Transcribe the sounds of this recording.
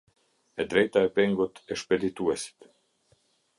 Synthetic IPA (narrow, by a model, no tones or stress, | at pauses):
ɛd̪ɾɛjt̪aɛpɛŋɡut̪ɛʃpɛd̪it̪uɛsi̥t̪